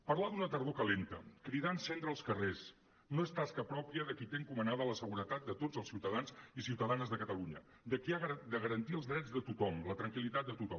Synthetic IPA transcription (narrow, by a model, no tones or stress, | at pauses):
pəɾlaðunət̪əɾðokəlent̪əkɾiðansent̪ɾəːlˠskəres | noest̪askəpɾɔpiəðəkit̪eŋkumənaðələsəɣuɾət̪at̪̚d̪ət̪ozəlˠsiwt̪əðanzisiwt̪əðanzðəkət̪əluɲə | d̪əkiaɣd̪əɣəɾənt̪iəlˠzðɾɛd͡zðət̪ut̪ɔmlət̪ɾəŋkilit̪at̪̚d̪ət̪ut̪ɔ